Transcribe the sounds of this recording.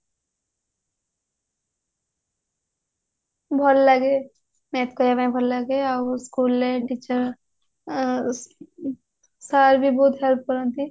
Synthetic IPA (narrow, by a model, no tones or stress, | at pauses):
bʱɔlːɐɡe | mẽːt̪kojaʋãĩbʱɔlːɐɡeaskuːlːeʈiːt͡ʃəɾ | saːɾbʱibɔːt̪ɦɛlp̚kəɾə̃nt̪i